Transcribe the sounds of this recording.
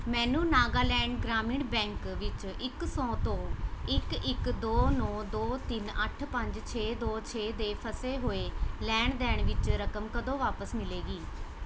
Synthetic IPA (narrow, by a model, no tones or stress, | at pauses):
mɛ̃ːnũːnaːɡaːlɛ̃ːɳɖɡɾaːmɪɳɖbɛ̃ːŋkʋɪt͡ʃɪksɔ̃ːt̪õːɪkɪkd̪oːnɔ̃ːd̪oːt̪ɪnəʈʰpəɲd͡ʒt͡ʃʰeːd̪oːt͡ʃʰeːd̪eːpʰəseːɦoːeːlɛːɳd̪ɛːɳʋɪt͡ʃɾəkəmkəd̪õːʋaːpəsmɪleːɡiː